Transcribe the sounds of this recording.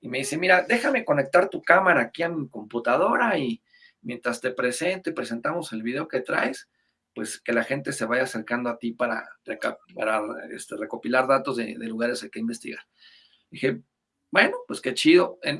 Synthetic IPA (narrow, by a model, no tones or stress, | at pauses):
ime̞ðise̞miɾad̪e̞xame̞ko̞ne̞k̚t̪aɾt̪ukamaɾaːkiamiko̞mput̪að̞o̞ɾai | mje̞nt̪ɾast̪e̞pɾe̞se̞nt̪o̞ipɾe̞se̞nt̪amo̞se̞lβiðe̞o̞ket̪ɾa̰es | pwe̞ske̞laxe̞nt̪ese̞βajaːse̞ɾkand̪oat̪ipaɾa̰rekapa̰ɾaḛst̪ere̞ko̞pilaɾðat̪o̞zðḛðe̞luɣaɾe̞sakeimbe̞st̪ḭɣaɾ | d̪ixe̞ | bwe̞no̞pwe̞ske̞t͡ʃiðo̞en